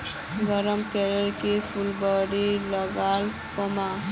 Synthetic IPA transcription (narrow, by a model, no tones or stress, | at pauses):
ɡɔɾɔmkeɾeɾkipʰulbɔɽilɔɡal | pɔma